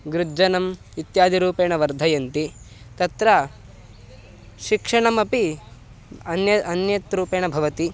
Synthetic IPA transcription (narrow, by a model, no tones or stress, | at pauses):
ɡɾud͡ʒɐnɐm | it̪jaːd̪ʱiɾuːpeːɳɐʋɐɾd̪ʱɐjɐnt̪i | t̪ɐt̪ɾɐ | ʃikʂɐɳɐmɐpi | ɐnjɐɐnjɐt̪ɾuːpeːɳɐbʱɐʋɐt̪i